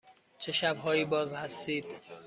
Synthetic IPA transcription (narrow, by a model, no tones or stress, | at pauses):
t͡ʃʰe̞ʃæbɦɒːiːbɒːzhæst̪iːd̪̥